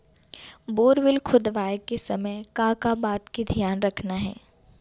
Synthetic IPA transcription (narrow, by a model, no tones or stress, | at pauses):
boːɾʋɪlkʰʊd̪ʋaːjkesɐməjkaːkabaːt̪kid̪ʱjaːnɾɐkʰnaɦɛ̰ː